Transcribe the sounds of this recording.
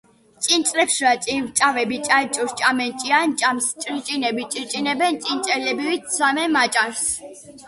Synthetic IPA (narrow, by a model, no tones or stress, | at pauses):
sʼint͡ʃ̪ʼlɛpʃɾat̪sʼinvt͡ʃʼavɛbit͡ʃʼat͡ʃʼuɾt͡ʃʼamɛnt͡ʃʼiant͡ʃʼamst͡ʃʼɾit͡ʃʼinɛbit͡ʃʼit͡ʃʼinɛbɛnt͡ʃ̪ʼint͡ʃ̪ʼɛlɛbiwisamɛmat͡ʃʼaɾs